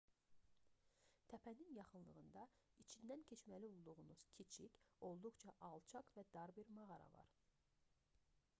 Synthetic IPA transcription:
t̪ʰæpʰæninjɑχɯnlˠɯʁɯnd̪ɑ | it͡ʃʰind̪æncʰe̞t͡ʃmælio̞lˠd̪uʁunuz̥cʰit͡ʃʰico̞lˠd̪uχt͡ʃʰɑʔɑlˠt͡ʃʰɑkvæd̪̥ɑɾbiɾmɑʁɑɾɑ̰vɑ̰ɾ

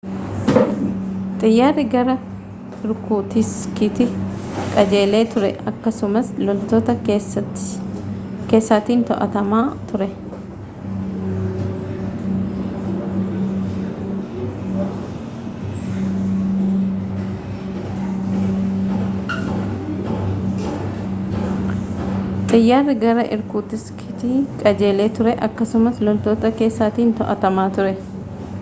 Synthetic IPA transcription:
t̪ʼɪjːaːrːɪɡɐɾɐ | ɪɾkuːt̪ɪskɪt̪ɪkʼɐd͡ʒe̞ːle̞ːt̪ʊɾɛ̰ʔɐkːɐsʊmɐslɔlt̪oːt̪ɐ | keːsːaːt̪iːnt̪ɔ̰ʔɐ̰t̪ɐmaːt̪ʊɾɛ | t̪ʼɪjːaːrːɪɡɐɾɐʔɪ̰ɾkuːt̪ɪskʰɪt̪iːkʼɐd͡ʒe̞ːleːt̪ʊɾɛʔɐkːɐsʊmɐslɔlt̪o̞ːt̪ɐke̞ːsːaːt̪iːnt̪ɔʔɐt̪ɐmaːt̪ʊɾɛ

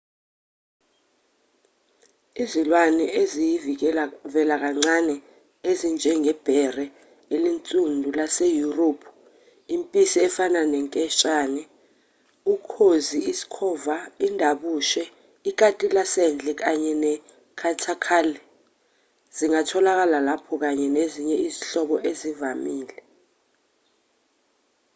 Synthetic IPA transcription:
izilwanɛʔezijivvɛlak̬aŋ͡ǀanɛ | ezind͡ʒʱɛŋʱɛb̥ʱɛrɛ | elint͡sʼundʱulasejuropʰu̥ | impʼisiɛfananɛŋkʼɛʃʼaːnɛ | ukʰoziisi̥kʰɔvaindʱaɓuːʃɛ | ik̬atʼilasɛnd͡ɮʱɛk̬aɲɛnɛ | kʰatʰakʰalɛ | z̥iŋatʰɔlak̬alalapʰɔk̬aɲɛneziɲɛiziɬɔɓɔʔezivamiːlɛ

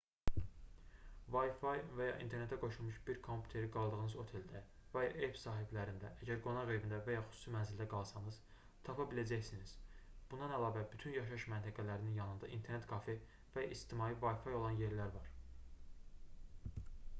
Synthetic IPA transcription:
vɑjfɑjvæjɑ̰ʔḭnt̪ʰe̞ɾnet̪ʰːæɡo̞ʃulˠmuʃbiɾkʰo̞mpʰʲju̥t̪ʰe̞ɾiɡɑlˠd̪ɯɣɯnɯzo̞t̪ʰe̞ld̪ævæjɑʔepsɑːɦiblæɾind̪æʔæɟæɾɡo̞nɑʁevind̪ævæjɑχy̥su̥ːsimænzild̪æɡɑlˠsɑnɯz̥ | t̪ʰɑpʰɑbilæd͡ʒæçsiniz̥b̥und̪ɑnælˠɑːvæbyt̪ʰynjɑʃɑɯʃmænt̪ʰæɡælæɾininjɑnɯnd̪ɑʔḭnt̪ʰe̞ɾne̞t̪̚ɡʰɑfe | væit͡ʃt̪ʰimɑːjivɑjfɑjo̞lˠɑnje̞ɾlæɾvɑɾ

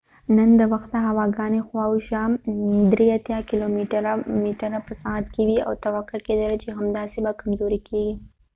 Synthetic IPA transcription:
nənd̪əwɐxt̪̚d̪aɦawɑɡɑnexwauʃamd̪ɾeat̪jɑkɪlomiʈəɾamiʈəɾapəsat̪kewia̰wt̪ɐwakːʊɾked̪əlat͡ʃeɦamd̪ɑsebakamzoɾikeɡi

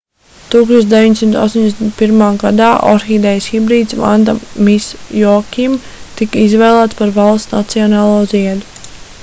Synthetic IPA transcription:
t̪uːksuɔt͡ʃ̪d̪eʋiɲsimt̪a̰st̪oɔɲd̪eɛsʲmʲt̪̚piɾmaːɡad̪aːʔɔ̰ɾxid̪ɛjsxibɾiːd̪sva̰nd̪amisjɔkʲim | t̪ikəizvɛːlˠæːt̪spaɾvalˠsna̰t̪sijɔnaːlˠuɔziɛlʲu

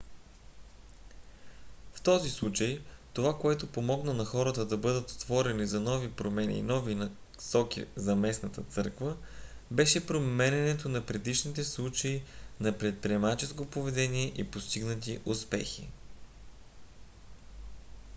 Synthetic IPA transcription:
ft̪ɔzislˠut͡ʃəjt̪ovakoɛt̪opomɔɡnənɐxɔɾət̪əd̪ɐbɤd̪ət̪o̥t̪v̥ɔɾɛnizɐnɔvipɾomɛnʲḭnɔvin | sɔkḭzɐmɛsnət̪ət̪sɤɾkvə | bɛʃɛpɾomɛnʲɛnɛt̪onɐpɾɛd̪iʃnit̪ɛslˠut͡ʃəinɐpɾɛt̪̚pɾiɛmat͡ʃɛskopovɛd̪ɛniɛʔipost̪iɡnət̪̬iʔuspɛ̰xḭ

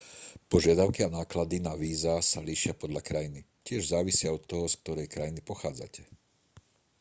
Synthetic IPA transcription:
pɔʒɪad̪aʊkianaːklad̪inaʋiːzasaliːʃɪapɔd̪ʎakɾajini | cɪɛʒzaːʋisɪaɔt̪ːɔɦɔsk̚t̪ɔɾɛjkɾajinipɔxaːd͡za̰cɛ̥

